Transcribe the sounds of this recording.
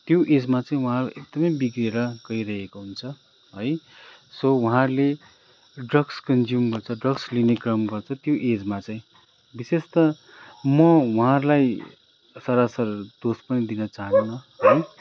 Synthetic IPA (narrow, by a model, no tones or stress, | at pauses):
t̪joʔed͡zmat͡saĩwʌɦãrlajʔek̚d̪ʌmʌjbikrieɾʌɡʌiɾʌɦekoɦunt͡sʰʌ | ɦʌj | sowʌɦãrle | ɖrʌɡskʌnd͡zjumɡʌrt͡sʰʌɖrʌɡslinekrʌmɡʌrt͡sʰʌt̪joʔed͡zmat͡saĩ | bisest̪ʌ | mʌwuɦãrlaj | sʌɾasʌrd̪ospʌnid̪inʌt͡saɦʌnunʌ | ɦʌj